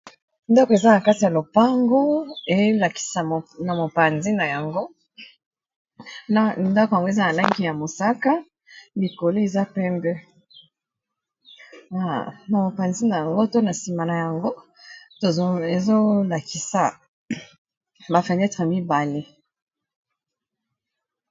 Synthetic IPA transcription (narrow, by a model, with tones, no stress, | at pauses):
ndɔ˦ko˨e˨za˦na˨ka˦ti˨ja˨lo˨pa˦ŋɡo˦e˨˦la˨ki̥˨sa˨na˨mo˨pa˨nzi˦na˨ja˨ŋɡo˦ | nda˦ko˨ja˨ŋɡo˦e˨za˦na˨la˦ŋɡi˨ja˨mo˨sa˦ka˦ | li˨ko˨lo˦e˨za˦pɛ˦mbɛ˦ | a˨na˨mo˨pa˨nzi˦na˨ja˨ŋɡo˦to˦na˨si˨ma˨na˨ja˨ŋɡo˦ | to˨˦e˨zo˦la˨ki˨sa˨ | ba˨fe˨nɛ˦tʁmi˦ba˨le˦